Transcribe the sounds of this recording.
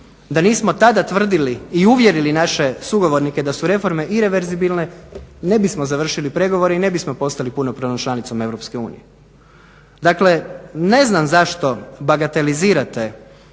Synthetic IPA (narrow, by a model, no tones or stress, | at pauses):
d̪aniːsmo̞t̪ad̪at̪ʋr̩d̪iliiuʋje̞ɾilinaʃe̞suɡo̞ʋo̞ɾnike̞d̪asuɾe̞fo̞ɾme̞ʔiɾe̞ʋeɾzibilne̞ne̞bismozaʋr̩ʃilipɾe̞ɡo̞ʋo̞ɾeine̞bismo̞po̞st̪alipunopɾonomt͡ʃlˠanit̪so̞me̞ʋɾo̞pske̞ṵːnije | d̪akle̞ne̞znamzaʃt̪o̞baɡat̪e̞liziːɾat̪e̞